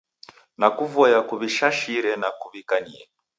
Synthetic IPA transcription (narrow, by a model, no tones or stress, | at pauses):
nakuvɔjakuβiʃaʃiɾɛnakuβikaɲiɛ